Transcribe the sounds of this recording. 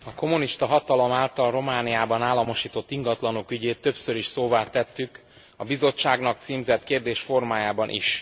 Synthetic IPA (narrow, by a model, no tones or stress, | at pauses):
ɒko̞muniʃt̪ɒɦɒt̪ɒlo̞maːlt̪ɒlro̞maːnijaːbɒnaːlːɒmo̞ʃiːt̪o̞t̪ːiŋɡɒt̪lɒnokyɟeːt̪ːø̞psø̞ɾiʃsoːvaːt̪ɛt̪ːyk | ɒbizo̞t͡ʃːaːɡnɒk̚t̪siːmzɛt̪keːrd̪eːʃfo̞rmaːjaːbɒnʔḭʃ